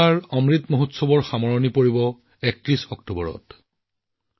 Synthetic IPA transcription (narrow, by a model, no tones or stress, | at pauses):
aɹɔmɹitmoɦotsɔbɔɹxamɔɹɔnipoɹibɔ | ɛk̚tɹisɔk̚tubɔɹɔ̰t